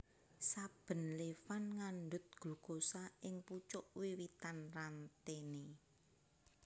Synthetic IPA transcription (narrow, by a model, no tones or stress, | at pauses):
sab̥ə̤nlefanŋanɖʊ̤t̪̚ɡ̥ṳɡ̥osaʔɪŋput͡ʃʊʔwiwit̪anrant̪ene